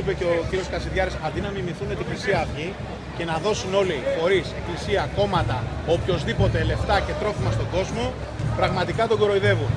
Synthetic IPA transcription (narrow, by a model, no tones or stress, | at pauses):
ipe̞ceociɾio̞skɐsiðʝɐɾesɐðinɐmimiθune̞t̪ikisiɐːvʝi | ce̞nɐðo̞suno̞lixo̞ɾise̞klisiɐko̞mɐt̪ɐopço̞zðipo̞t̪e̞le̞ft̪ɐce̞t̪ɾo̞fimɐst̪o̞ɡo̞zmo̞ | pɾɐɣmɐt̪ikɐt̪o̞ɡo̞ɾo̞iðe̞vun